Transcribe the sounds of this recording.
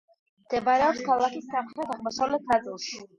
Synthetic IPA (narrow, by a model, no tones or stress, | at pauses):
md̪̥ɛbaɾɛɔpskʰalˠakisːamχɾɛt̪ʰaʁmɔsavlɛt̪̚ʰnat̪sʼilˠʃi